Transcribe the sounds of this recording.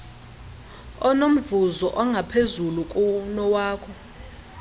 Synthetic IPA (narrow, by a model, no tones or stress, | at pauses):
ɔnom̩vuzɔʔɔŋɡʱapʰezulukʼunɔwaːkʰɔ